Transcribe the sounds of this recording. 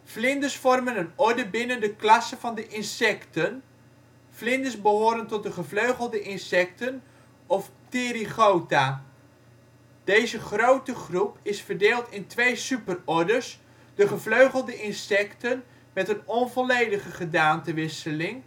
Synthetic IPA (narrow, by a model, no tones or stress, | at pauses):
flɪndəsfɔrmənənɔɹdəbɪnəndəklɑsəvɑndəʔɪnsɛktən | flɪndəsbəɦoːɾəntɔt̚dəχəvløɥχəlˠdəʔɪnsɛk̚tən | ɔftɪɾiχowtaː | d̥ejzəχrowtəχrupɪsfərdeːlˠtɪntʋejsypərɔɹdəɹs | d̥əχəvløɥχəlˠdəʔɪnsɛktən | mɛtənɔnvɔlejdəχəχədaːntəʋɪsəlɪŋ